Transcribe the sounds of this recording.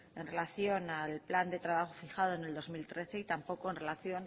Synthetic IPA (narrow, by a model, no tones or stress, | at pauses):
e̞nre̞laθjo̞nalpland̪e̞t̪ɾaβ̞axofixað̞o̞ene̞ld̪o̞zmilt̪ɾe̞θe̞it̪ampo̞ko̞e̞nre̞laθjo̞n